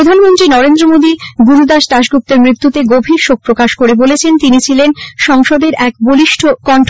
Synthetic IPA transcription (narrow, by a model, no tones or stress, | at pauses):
ɾod̪ʱanmont̪ɾinɔɾend̪ɾomod̪iɡuɾud̪aʃt̪aʃɡup̚t̪eɾmɾit̪ːut̪eɡobʱiɾʃok̚pɾokaʃkoɾebolet͡ɕʰent̪init͡ɕʰilenʃɔŋʃɔd̪eɾɛkboliʃʈʰokɔɳʈʰ